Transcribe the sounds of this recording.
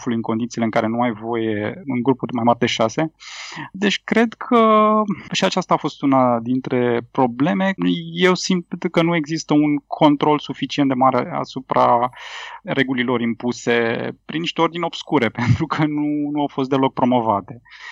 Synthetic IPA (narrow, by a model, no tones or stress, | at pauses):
fulujɨŋkond̪it̪sileɨŋkaɾe̞nuajvo̞je̞ɨŋɡɾupud̪majmaɾd̪e̞ʃase̞d̪e̞t͡ʃʲkɾe̞d̪kʰə | ʃiat͡ʃast̪aːfo̞st̪unad̪int̪ɾe̞pɾo̞ble̞me̞je̞wsint̪kənue̞ɡzist̪əuŋkʰo̞nt̪ɾo̞lsufit͡ʃient̪d̪e̞maɾḛa̰supɾa̰ | re̞ɡulilo̞ɾimpuse̞pɾiniʃt̪e̞o̞rd̪ineo̞b̥skuɾe̞pe̞nt̪ɾukʰənunuawfo̞st̪d̪e̞lok̚pɾo̞mo̞vat̪e̞